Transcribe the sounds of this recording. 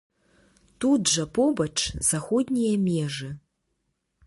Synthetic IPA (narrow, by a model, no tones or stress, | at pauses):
tudʐɐpobɐʈ͡ʂʰz̥axod̪ʲnʲijɐmʲeʐɨ